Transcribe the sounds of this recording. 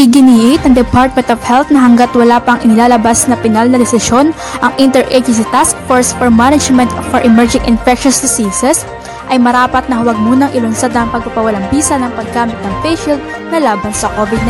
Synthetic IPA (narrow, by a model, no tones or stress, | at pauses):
ʔɪɡɪniːʔɪt̪ɐŋd̪ɛpaɹt̪̚mɛnt̪ofhɛlt̪nɐɦɐŋɡat̪wɐlaːpɐŋʔɪnɪlaːlɐbasnɐpɪnalnɐd̪ɛsɪʃjo̞n | ʔɐŋʔɪnt̪ɛɹʔɛd͡ʒʊs̬it̪askfoɹsfɔɹmanɐd͡ʒmɛnt̪fɔɹʔɛmɛɹd͡ʒɪŋʔɪ̰nfɛk̚ʃɔnsd̪ɪsiːsɛs | ʔɐjmɐɾaːpɐt̪̚nɐhɐwɐɡ̚muːnɐŋʔɪlʊnsad̪ɐŋpɐɡ̚papɐwɐlaŋbiːsɐnɐŋpɐɡaːmɪt̪nɐŋfɛjʃild̪̚ | nɐlaːbɐnsɐkoːvɪd̪̚na